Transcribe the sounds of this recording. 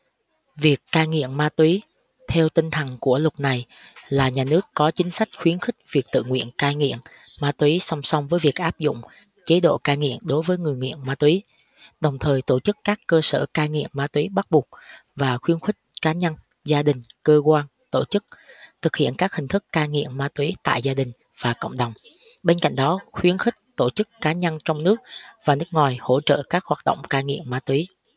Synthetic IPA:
vi˨˩əkːaː˧jŋḭ˧˨əmmaː˧t̪wi˨˦ | t̪ʰɛ˧wt̪ï˧ŋ̟t̪ʰə˨˩ŋku˧˩əlʊ˨˩t̚na˨˩jlaː˨˩ɲaː˨˩nɨ˦˥əkːɔ˨˦t͡ɕï˨˦ŋ̟sa˦˥jk̟̚xwi˨˦ənxï˦˥k̟̚vi˨˩ək̚t̪ɨ̰˧˨ŋwḭ˧˨ənkaː˧jŋḭ˧˨əmmaː˧t̪wi˨˦sa˧wŋ͡msa˧wŋ͡mvəː˨˦jvi˨˩ək̚ʔaː˦˥p̚zʊ̰˧˨ŋ͡m | t͡ɕe˨˦ɗo̰˧˨kaː˧jŋḭ˧˨əmɗo˨˦jvəː˨˦jŋɨ˨˩əjŋḭ˧˨ənmaː˧t̪wi˨˦ | ɗə˨˩wŋ͡mt̪ʰəː˨˩jt̪o˧˩t͡ɕɨ˦˥kːaː˦˥kːəː˧sə̰ː˧˩kaː˧jŋḭ˧˨əmmaː˨˧t̪wi˨˦ɓa˦˥t̚ɓu˨˩k͡p̚vaː˨˩xwi˨˦ənxwï˦˥k̟̚kaː˨˦ɲa˧n | zaː˧ɗï˨˩ŋ̟kəː˧kwaː˧n | t̪o˧˩t͡ɕɨ˦˥k̚t̪ʰɨ˨˩k̚hḭ˧˨ənkaː˦˥k̚hï˨˩ŋ̟t̪ʰɨ˦˥kːaː˧jŋḭ˧˨əmmaː˧˦t̪wi˨˦t̪a̰ː˧˨jzaː˧ɗï˨˩ŋ̟ | v̥aː˨˩kə̰˧˨wŋ͡mɗə˨˩wŋ͡m | ɓe˧nka̰˧˨jŋ̟ɗɔ˨˦xwi˨˦ənxï˦˥k̟̚t̪o˧˩t͡ɕɨ˦˥k̚kaː˨˦ɲa˧nt͡ɕɔ˧wŋ͡mnɨ˦˥ək̚vaː˨˩nɨ˦˥ək̚ŋwaː˨˩jho̰˧˥˩t͡ɕə̰ː˧˨kaː˦˥k̚hwaː˨˩t̚ɗə̰˧˨wŋ͡mkaː˧jŋḭ˧˨əmmaː˨˦t̪wi˨˦

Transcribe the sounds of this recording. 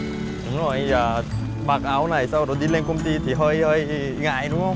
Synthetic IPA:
ɗʊ˨˦ŋ͡mzo˨˩jəː˨˩ | ɓaː˨˩k̚ʔaː˨˦wna˨˩jsa˧wɗo˨˩ɗi˧le˧nkə˧wŋ͡mt̪i˧t̪ʰi˨˩ɦəː˧jhəː˧j | ŋa̰ː˧˨jɗʊ˨˦ŋ͡mhə˧wŋ͡m

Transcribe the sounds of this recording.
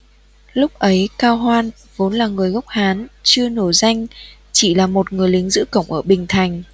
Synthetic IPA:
lʊ˦˥k͡p̚ʔə˨˦jkaː˧wɦwaː˧n | vo˨˦nlaː˨˩ŋɨ˨˩əjɣa˦˥wk͡p̚haː˨˦nt͡ɕɨ˧əno˧˩za˧jŋ̟ | t͡ɕi˧˩laː˨˩mo˨˩t̚ŋɨ˨˩əjlï˨˦ŋ̟zɨ̰˧˥kə̰˧˨wŋ͡mʔəː˧˩ɓï˨˩ŋ̟t̪ʰa˨˩jŋ̟

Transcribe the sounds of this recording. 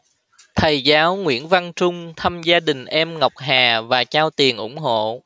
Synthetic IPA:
t̪ʰə˨˩jzaː˨˦wŋwḭ˧˥ənva˧nt͡ɕʊ˧ŋ͡mt̪ʰaː˧mzaː˧ɗï˨˩ŋ̟ʔɛ˧mŋa˨˩wk͡p̚ɦaː˨˩vaː˨˩t͡ɕaː˧wt̪i˨˩ənʔʊ˧˥ŋ͡mɦo̰˧˨

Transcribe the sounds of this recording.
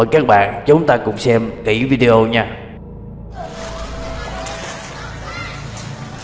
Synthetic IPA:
ə˨˩jkaː˦˥k̚ɓa̰ː˧˨nt͡ɕʊ˨˦wŋ͡mt̪aː˧kʊ̰˧˥ŋ͡msɛ˧mki˧˩vi˧ɗe˧ʔo˧ɲaː˧

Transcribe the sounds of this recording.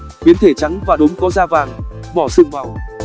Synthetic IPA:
xwi˨˦ənt̪ʰe˧˩t͡ɕa˨˦ŋvaː˨˩ɗʊ˨˦ŋ͡mkɔ˨˦zaː˧vaː˨˩ŋ | ɓɔ˧˩sɨ̰˧˨ŋma˨˩w

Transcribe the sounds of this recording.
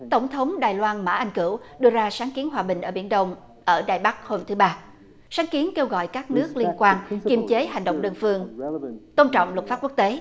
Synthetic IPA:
t̪ə˧˩wŋ͡mt̪ʰə˨˦wŋ͡mɗaː˨˩jlwaː˧nma̰ː˧˥ʔa˧jŋ̟kɨ̰˧˩w | ɗɨ˧əzaː˧saː˨˦ŋki˨˦ənɦwaː˨˩ɓï˨˩ŋ̟ʔəː˧˩ɓḭ˧˩ənɗə˧wŋ͡m | ʔəː˧˩ɗa̰ː˧˩jɓa˦˥k̚ho˧mt̪ʰɨ˨˦ɓaː˧ | saː˨˦ŋki˨˦ənke˧wɣɔ̰˧˨jkaː˦˥k̚nɨ˦˥ək̚li˧ənkwaː˧nki˨˧˩mt͡ɕe˨˦ha˨˩jŋɗə̰˧˨wŋ͡mɗəː˧nfɨ˧əŋt̪o˧nt͡ɕɔ̰˧˨wŋ͡mlə˨˩t̚faː˦˥p̚ku˦˥ək̚t̪e˨˦

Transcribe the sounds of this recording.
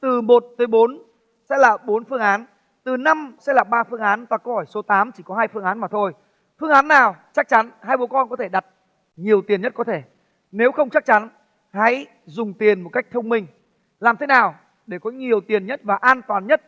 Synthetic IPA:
t̪ɨ˨˩mo˨˩t̚t̪əː˨˦jɓo˨˦n | sɛ̰˧˥laː˨˩ɓo˨˦nfɨ˧əŋʔaː˨˦n | t̪ɨ˨˩na˧msɛ̰˧˥laː˨˩ɓaː˧fɨ˧əŋʔaː˨˦nt̪waː˨˩kə˧hɔ˧˩jso˨˦t̪aː˨˦mt͡ɕi˧˩kɔ˨˦ɦaː˧jfɨ˧ŋʔaː˨˦nmaː˨˩t̪ʰo˧j | fɨ˧əŋʔaː˨˦nːaː˨˩wt͡ɕa˦˥k̚t͡ɕa˨˦nhaː˧jɓo˨˦kɔ˧nkɔ˨˦t̪ʰe˧˩ɗa˨˩t̚ | ɲi˨˩əwt̪i˨˩ənɲə˦˥t̚kɔ˨˦t̪ʰe˧˩ | ne˨˦wxə˧wŋ͡mt͡ɕa˦˥k̚t͡ɕa˨˦n | ha̰˧˥j | zʊ˨˩ŋ͡mt̪i˨˩ənmo˨˩t̚ka˦˥jk̚t̪ʰə˧wŋ͡mmï˧ŋ̟ | laː˨˩mt̪ʰe˨˦naː˨˩w | ɗe˧˩kɔ˨˦ɲi˨˩əwt̪i˨˩ənɲə˦˥t̚vaː˨˩ʔaː˧nt̪waː˨˩nɲə˦˥t̚

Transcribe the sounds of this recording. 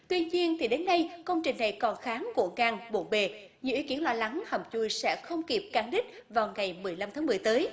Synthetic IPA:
t̪wi˧ɲi˧ənt̪ʰi˨˩ɗe˨˦nːa˧jkə˧wŋ͡mt͡ɕï˨˩ŋ̟na˨˩jkɔ˨˩nxaː˨˦ŋku˧˩əkaː˧˩ŋɓo̰˧˩ɓe˨˩ | ɲ˧˥˩wi˨˦ki˧˥ənlwaː˧la˨˦ŋhə˨˩p̚t͡ɕu˧˩jsɛ̰˧˥xə˧wŋ͡mki˨˩p̚kaː˨˩ŋɗï˦˥t̟̚vaː˨˩wŋa˨˩jmɨ˨˩əjla˧mt̪ʰaː˨˦m˨˩əjt̪əː˨˦j

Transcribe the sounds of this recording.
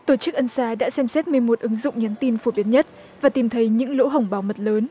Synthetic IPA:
t̪o˧˩t͡ɕɨ˦˥k̚ʔə˧nsaː˨˦ɗa̰ː˧˥sɛ˧msɛ˦˥t̚mɨ˨˩əjmo˨˩t̚ʔɨ˨˦ŋzʊ̰˧˨ŋ͡mɲa˨˦nt̪i˧nfo˧˩ɓi˨˦ənɲə˦˥t̚ | vaː˨˩t̪i˨˩mt̪ʰə˨˦jɲɨ̰˧˥ŋlo̰˧˥ɦə˨˧˩wŋ͡mɓaː˧˩wmə˨˩t̚ləː˨˦n

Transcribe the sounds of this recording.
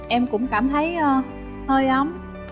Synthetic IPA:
ʔɛ˧mkʊ̰˧˥ŋ͡mkaː˧˩mt̪ʰə˨˦jəː˧˩ | həː˧jʔa˨˦m

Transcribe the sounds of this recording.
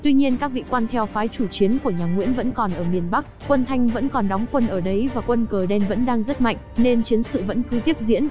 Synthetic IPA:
t̪wi˧ɲi˧ənkaː˦˥k̚vḭ˧˨kwaː˧nt̪ʰɛ˧wfaː˨˦jt͡ɕu˧˩t͡ɕi˨˦ənku˧˩əɲaː˨˩ŋwḭ˧˥ənvə̰˧˥nkɔ˨˩nʔəː˧˩mi˨˩ənɓa˦˥k̚kwə˧nt̪ʰa˧jŋ̟və̰˧˥nkɔ˨˩nɗɔ˨˦wŋ͡mkwə˧nʔəː˧˩ɗə˨˦jvaː˨˩kwə˧nkəː˨˩ɗɛ˧nvə̰˧˥nɗaː˧ŋzə˦˥t̚ma̰˧˨ŋ̟ne˧nt͡ɕi˨˦ənsɨ̰˧˨və̰˧˥nkɨ˨˦t̪i˦˥əp̚zḭ˧˥ən

